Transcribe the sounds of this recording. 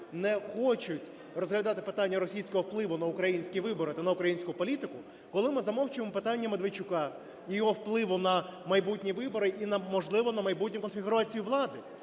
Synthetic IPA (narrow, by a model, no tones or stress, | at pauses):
nɛxɔt͡ʃʊtʲ | rɔzɦlʲɐd̪ɑt̪ɪpɪt̪ɑnʲːɐɾɔsʲijsʲkɔɦɔwplˠɪʋʊnɐʊkɾɐjinʲsʲkʲiʋɪbɔɾɪt̪ɐnɐʊkɾɐjinʲsʲkʊpɔlʲit̪ɪkʊ | kɔlˠɪmɪzɐmɔwt͡ʃɪɪmɔpɪt̪ɑnʲːɐmed̪ʋet͡ʃʊkɑ | jijɔɦɔwplˠɪʋʊnɐmɐjbut̚ʲnʲiʋɪbɔɾɪʔinɐmɔʒlˠɪʋɔnɐmɐjbut̚ʲnʲʊkɔnfʲiɣʊɾɑt͡sʲijʊʋlˠɑd̪ɪ